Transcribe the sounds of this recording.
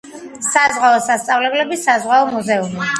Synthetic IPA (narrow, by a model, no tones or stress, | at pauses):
sazʁaɔsast̪sʼavlɛblɛbisazʁaɔmuzɛumi